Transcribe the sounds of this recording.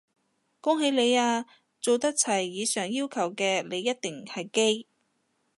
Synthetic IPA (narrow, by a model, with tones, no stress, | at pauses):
kʊ˥ŋɦe˨˧jle˨˧jaː˧ | t͡so˨wt̪ɐ˥k̚t͡sʰɐ˨˩jːiː˨˧sœː˨˩ŋjiː˥wkʰɐ˨˩wkɛː˧le˨˧jːɐ˥t̚t̪ɪ˨˩ŋhɐ˨jke˥j